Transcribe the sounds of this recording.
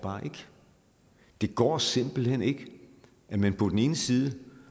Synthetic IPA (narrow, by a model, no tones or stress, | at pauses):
b̥ɑ̈ːʔe̝ɡ̥ | d̥e̝ɡ̥ɒ̰ːse̝m̰b̥l̩hen̰e̝ɡ̥ | æmænpʰɒ̽d̥ene̝ːnəsiːð̞ˠə